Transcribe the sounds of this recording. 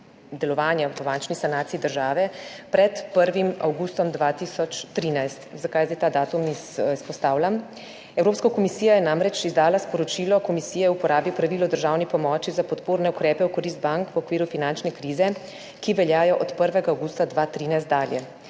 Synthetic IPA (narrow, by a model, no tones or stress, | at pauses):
d̪ɛlɔʋaːnjaʋəbant͡ʃnisanaːt̪siːd̪əɾʒaːʋɛpɾɛt̪pəɾʋima̰wɡust̪ɔmd̪ʋat̪isɔt͡ʃt̪ɾiːnajst̪zakajzat̪aːd̪aːt̪umisispɔst̪aːwlam | ɛwɾoːpskakɔmisiːjajɛnamɾɛt͡ʃizd̪aːlaspɔɾɔt͡ʃiːlɔkɔmisiːjɛupɔɾaːbipɾaʋiːlɔd̪əɾʒaːwnipɔmɔt͡ʃizapɔt̪poːɾnɛukɾɛːpɛwkɔɾiːs̬t̪̚baŋkwɔkʋiːɾufinant͡ʃnɛkɾiːzɛ | kiʋɛljaːjɔʔɔt̪pəɾʋɛɡaawɡuːst̪ad̪ʋat̪ɾiːnajst̪d̪aːljɛ